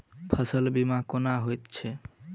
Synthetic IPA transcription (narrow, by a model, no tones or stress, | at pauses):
pʰəsəlbimakonaɦojt̪t͡ʃʰɛ